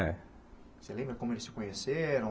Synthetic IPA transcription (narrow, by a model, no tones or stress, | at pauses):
ɛ | selẽbɾɐkõmʊelɪsɪ̥kõɲeseɾɐ̃